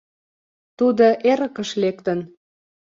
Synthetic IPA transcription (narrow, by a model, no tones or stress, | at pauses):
t̪ud̪oʔeɾə̆kə̆ʃlekt̪ən